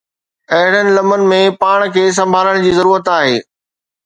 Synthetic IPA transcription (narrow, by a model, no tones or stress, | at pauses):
ɐɦɪɽ̃ənɪ̆lɐmənɪ̆mẽpaːɽ̃kʰeːs̬ɐ̃mbʱaːləɽ̃d͡ʑiːzɐɾuːɾət̪aːɦeː